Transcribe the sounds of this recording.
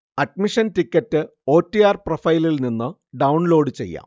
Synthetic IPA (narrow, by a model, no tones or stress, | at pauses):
ɐɖ̚miʂɐntikʲːɐtːɨ | o̞ːtːijaːrprofɐjlilninːɨ | ɖɐwuɳlo̞ːɖɨt͡ɕe̞̰jːa̰ːm